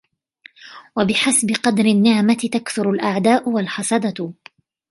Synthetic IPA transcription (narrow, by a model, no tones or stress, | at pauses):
wabɪħasbɪqɑd̪ɾɪnːɪʕmat̪ɪt̪akθʊɾʊlʔaʕd̪aːʔʊwalħɑsˤɑd̪ɑ